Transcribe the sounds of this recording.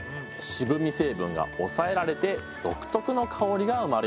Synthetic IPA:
ɕibɯ̟mʲise̞ːbɯ̟̃ŋɡa̰o̞̰sae̞ɾaɾe̞t̪e̞ | d̪̥o̞̰kɯ̟̥t̪o̞kɯ̟no̞kʰao̞ɾʲiɡaɯ̟maɾe

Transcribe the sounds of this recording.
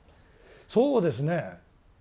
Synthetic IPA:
soːd̪e̞s̬ɨne

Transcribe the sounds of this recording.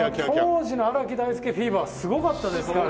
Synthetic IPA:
at̪oʑinoaɾakʲid̪aisɨ̥kʲiɸʲiːbɯ̟βasɨɡo̞kat̪ːad̪esɨ̥kaɾ

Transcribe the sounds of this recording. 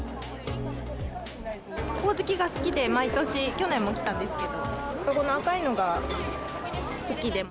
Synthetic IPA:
ko̞ːzɨkʲiɡasɨ̥kʲid̪e̞mait̪o̞ɕikʲo̞nẽ̞mːo̞kʲi̥t̪ãnd̪e̞sɨ̥ke̞d̪o̞kako̞noakaino̞ɡa | sɨkʲid̪e̞

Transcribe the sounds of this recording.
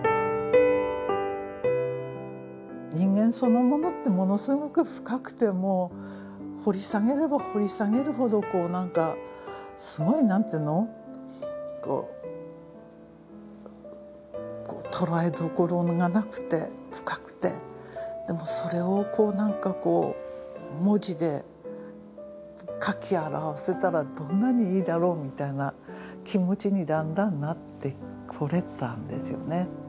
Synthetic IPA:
ɲĩŋɡẽ̞ɰ̃so̞no̞mo̞no̞t̪ːe̞mo̞no̞sɨɡo̞kɯ̟ɸɯ̟̥kakɯ̟̥t̪e̞mo | ho̞ɾʲisaŋe̞ɾe̞baho̞ɾʲisaɡe̞ɾɯ̟ɦo̞d̪o̞ko̞ːnãŋka | sɨɡo̞inãnt̪eːnːo̞ | ko̰ː | ko̰ːt̪ʰo̞ɾaed̪okoɾo̞ŋɡanakɯ̟̥t̪e̞ɸɯ̟̥kḁkɯ̟̥t̪e̞̰d̪̥e̞mo̞so̞ɾe̞o̞kʰo̞ːnãŋkako̞ː | mo̞ʑid̪e̞ | kʰakʲiaɾaβase̞t̪aɾad̪õ̞nːaɲ̟iiːd̪aɾo̞ːmʲit̪ainakʲimo̞t͡ɕiɲ̟id̪ãnd̪ãnːat̪ːe̞ | kʰɯɾe̞t̪ãnd̪e̞̰sɨjo̞̰ne̞

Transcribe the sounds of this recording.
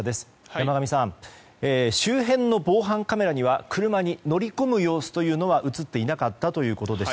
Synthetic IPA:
d̪e̞sɨ̥ | jamaɡamʲisãɴ | eːɕɨːɦẽ̞nːo̞bo̞ːɦãŋkame̞ɾaɲ̟iβ̞akɯ̟ɾɯ̟maɲ̟ino̞ɾʲiko̞mɯ̟jo̞ːsɨ̥t̪o̞jɯ̟ːno̞β̞aʔɯ̟t͡sɨt̪ːe̞inakat̪ːat̪o̞jɯ̟ːko̞t̪o̞d̪e̞s

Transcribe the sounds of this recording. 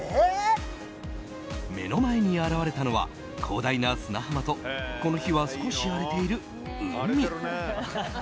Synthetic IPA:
me̞̰no̞mae̞ɲ̟iaɾaβaɾe̞t̪ano̞βa̰ | kʰo̞ːd̪ainasɨnahamat̪o̞ko̞noçiβasɨ̥ko̞ɕiaɾe̞t̪e̞iɾɯ̟ | ɯmʲi

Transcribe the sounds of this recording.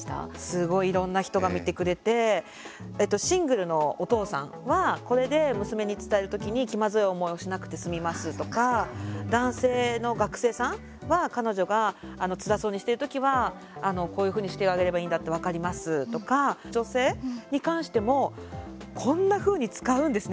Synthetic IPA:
t̪sɨɡo̞iːɾõ̞nːaçi̥t̪o̞ɡamʲit̪e̞kɯ̟ɾe̞t̪e̞ | et̪ːo̞ɕĩŋɡɯ̟ɾɯ̟no̞ːt̪o̞ːsã̰ŋβako̞ɾe̞d̪e̞mɯ̟sɨme̞ɲ̟it͡sɨ̥t̪ae̞ɾɯ̟t̪o̞kʲiɲ̟ikʲimazɨeo̞mo̞io̞ɕinakɯ̟̥t̪e̞sɨmʲimasɨt̪o̞kad̪ãɰ̃se̞ːno̞ɡakɯ̟̥se̞ːsãŋ̃ | βakano̞ʑo̞ɡaːno̞t͡sɨɾaso̞ːɲ̟iɕi̥t̪e̞ɾɯt̪o̞kʲiβaː | no̞ko̞ːjɯ̟ɸɯ̟ːɲ̟iɕi̥eɡaɡe̞ɾe̞baĩːnd̪at̪ːe̞β̞akaɾʲimasɨt̪o̞kad͡ʑo̞se̞ːɲ̟ikãɰ̃ɕi̥t̪e̞mo̞ | kʰõ̞nːaɸɯ̟ːɲ̟it͡sɨ̥kaɯ̟̃nd̪e̞sɨn

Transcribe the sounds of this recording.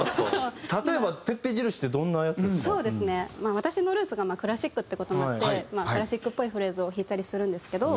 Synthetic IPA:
t̪at̪o̞ebape̞pːeʑiɾɯ̟ɕi̥t̪ːed̪õ̞nːaːjat͡sɨeso̞ːd̪e̞sɨne̞maːβ̞at̪aɕino̞ɾɯ̟ːsɨɡamaːkɯ̟ɾaɕikːɯ̟t̪ːeko̞t̪onat̪ːe̞maːɯ̟ɾaɕikːɯ̟pːo̞iɸɯ̟ɾe̞ːzɨo̞çiːt̪aɾʲisɨɾɯ̟̃nd̪e̞sɨ̥ke̞d̪o̞

